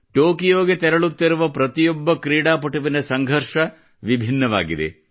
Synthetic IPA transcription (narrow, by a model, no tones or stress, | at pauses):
ʈoːkijoːɡet̪ɛɾɐɭut̪ːiɾuʋɐpɾɐt̪ijɔbːɐkɾiːɽaːpɐʈuʋinɐsɐŋɡʱɐɾʂɐ | ʋibʱinːɐʋa̰ːɡid̪ḛ